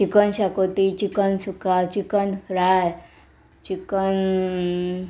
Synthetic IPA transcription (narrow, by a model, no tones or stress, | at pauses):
t͡ʃikənɕakot̪it͡ʃikənsukat͡ʃikənɾaj | t͡ʃikən